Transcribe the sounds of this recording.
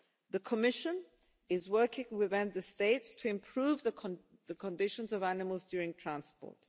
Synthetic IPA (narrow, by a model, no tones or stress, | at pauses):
ðəkʰəmɪʃə̃n | ɪzwɜˑ˞kɪ̃ŋwɪðɪ̃mðəsteɪtstʰəɪ̃mpʰɹ̥ʉːvðə | ðəkʰə̃ndɪʃə̃nzəvænɪməlˠzdjɔːɹɪ̃ŋtʰɹ̥ãnspɔ̰ːˑt